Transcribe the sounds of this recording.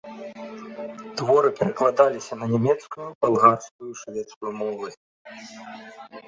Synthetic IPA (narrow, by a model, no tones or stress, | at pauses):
t̪vɔɾɨpʲɛɾɐklˠad̪alʲisʲɐnɐnʲɛmʲɛt̪skujupalˠɣarskujuʂvʲɛt̪skujumɔvɨ